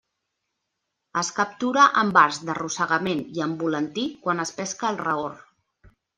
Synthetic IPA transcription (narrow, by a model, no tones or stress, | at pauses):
əskəp̚t̪uɾəʔəmbaɾzd̪ərusəɣəmeniəmbulənt̪ikwanəspɛskəːlˠrəor